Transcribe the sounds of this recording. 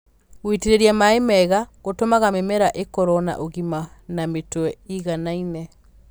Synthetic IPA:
witiɾeɾjamaemɛɣaɣotomaɣamemɛɾaʔekɔɾɔna̰ʔoɣimanametwɛiɣanainɛ

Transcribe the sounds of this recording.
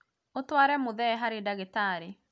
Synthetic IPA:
otwaːɾɛmoðɛɦaɾedaɣetaːɾe

